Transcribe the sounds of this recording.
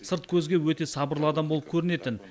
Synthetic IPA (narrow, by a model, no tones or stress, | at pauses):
səɾt̪̚kʲʰɵzɡʲe̞wɵt̪e̞sɑbəɾlˠəɑd̪ɑmbolˠəp̚kʲʰɵɾɪne̞t̪ɪn